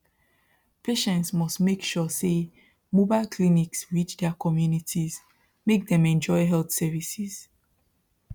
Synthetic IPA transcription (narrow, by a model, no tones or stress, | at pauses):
pʰeʃɛ̃ntsmɔstmekʃɔse | mobaɪlkʰliniksɹit͡ʃdɛakʰɔmjunitʰiz | mek̚dɛ̃mɛ̃nd͡ʒɔɪɦɛlθsɛvisiz̥